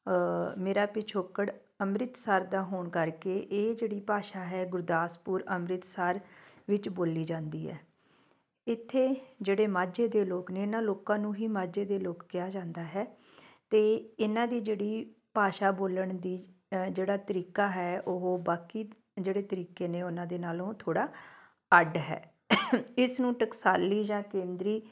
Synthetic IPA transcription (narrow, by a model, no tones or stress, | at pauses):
meːɾaːpɪt͡ʃʰoːkəɽ | əmɾɪt̪saːɾd̪aːɦoːɳkəɾkeːʔeːd͡ʒeːɽiːpaːʃaːɦɛːɡʊɾd̪aːspuːɾəmɾɪt̪saːɾ | ʋɪt͡ʃboːliːd͡ʒãːnd̪iːɦɛ̰ː | ɪt̪ʰːeːd͡ʒeːɽeːmaːd͡ʒeːd̪eːloːkneːɪnãːloːkãːnũːɦiːmaːd͡ʒeːd̪eːloːkːɪjaːd͡ʒãːnd̪aːɦɛː | t̪eːɪnãːd̪iːd͡ʒeːɽiːpaːʃaːboːləɳd̪iːd͡ʒeːɽaːt̪əɾiːkaːɦɛːoɦoːbaːkiː | d͡ʒeːɽeːt̪əɾiːkeːneːʊnãːd̪eːnaːlõːt̪ʰoːɽaː | əɖɦɛ̰ː | ɪsnũːʈəksaːliːd͡ʒãːkẽːnd̪ɾiː